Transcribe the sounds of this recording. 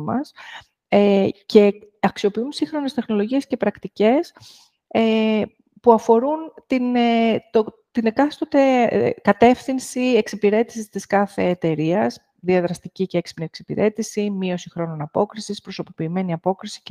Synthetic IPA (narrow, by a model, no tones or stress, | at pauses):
mɐ̰s | ece̞ɐksio̞piunsiŋxɾo̞ne̞st̪e̞xno̞lo̞ʝie̞scepɾɐkt̪ice̞s | e | puɐfo̞ɾunt̪inet̪o | t̪inekɐst̪ot̪ekɐt̪e̞fθinsieksipiɾe̞t̪i̥sist̪iskɐθe̞ːt̪e̞ɾiɐs | ðiɐðɾɐst̪iciceeksi̥pnieksipḭɾʔe̞t̪isimio̞sixɾo̞no̞nɐpo̞kɾisispɾo̞so̞po̞piːme̞niɐpo̞kɾisi̥